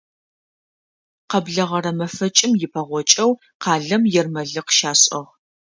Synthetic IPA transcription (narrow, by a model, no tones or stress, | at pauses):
qɐbɮɐʁɐɾɐmɐfɐt͡ʃʼɪmjɪpʰɐʁʷɔt͡ʃʼɐw | qɑːɮɐmjɛrmɐɮɨqʃaːɕʼɐʁ